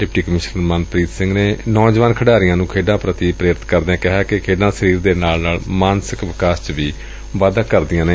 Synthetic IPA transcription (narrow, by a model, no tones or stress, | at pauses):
ɖɪp̚ʈiːkəmɪʃnəɾməːnpɾiːt̪sɪ̃ŋɡneːnɔːd͡ʒʋaːnkʰəɖaːɾɪjãːnũːkʰeːɖãːpɾət̪ipɾeːɾɪt̪kəɾd̪ãːkɪɦaːkɪkʰeːɖãːsəɾiːɾd̪eːnaːlnaːlmaːnsɪkʋɪkaːst͡ʃʋiː | ʋaːd̪aːkəɾd̪ɪjãːneː